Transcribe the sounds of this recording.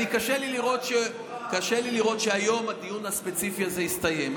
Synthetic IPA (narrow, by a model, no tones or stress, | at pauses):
ikaʃeliliʁo̞t̪ʃe | kaʃeliliʁo̞t̪ʃeajo̞mhad̪ijunaspe̞t͡sifiaze̞ist̪aje̞m